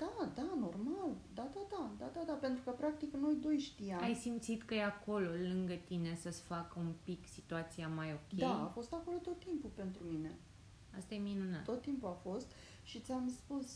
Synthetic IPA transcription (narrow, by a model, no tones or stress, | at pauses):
d̪̥ad̪ano̞rmald̪ad̪ad̪ad̪ad̪ad̪ape̞nt̪ɾukəpɾak̚t̪ikno̞jd̪o̞jʃt̪iaamjsimt̪sit̪kəjeako̞lo̞lɨŋɡət̪ine̞səsfakəumpiksit̪uat̪siamajo̞kʲed̪aafo̞st̪ako̞lo̞t̪o̞t̪ːimpupe̞nt̪ɾumine̞ | ast̪ajeminunat̪ːo̞t̪ːimpuafo̞st̪ | ʃit̪sʲamspus